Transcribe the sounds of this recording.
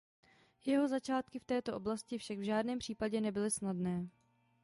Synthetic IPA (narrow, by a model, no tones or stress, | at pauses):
jɛɦo̞zat͡ʃaːt̪kɪft̪ɛːt̪o̞ʔo̞blascɪfʃaɡvʒaːdnɛːmpr̥iːpaɟɛnɛbɪlɪsnadnɛː